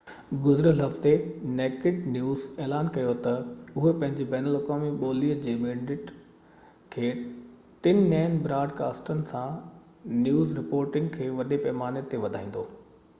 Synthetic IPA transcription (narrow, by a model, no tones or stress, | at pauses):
ɡʊzɪɾəlɦɐft̪eneːkɪʈnjuːzeːlaːnkɐjot̪ɐʊɦepɐ̃ɦɪ̃ɲd͡ʑibɛːnəlɐkaːmiɓoːliːəd͡ʑeːbẽːɳɖɪʈ | kʰeː | t̪ɪnɪnaːɪnbɾaːɖka̰ːsʈənɪ̆sã | njuːzɾɪpoːɾʈɪ̃ŋɡ̚kʰeːʋɐɗepɛːmaːnet̪eʋɐd̪ʱaːĩːn̆d̪oː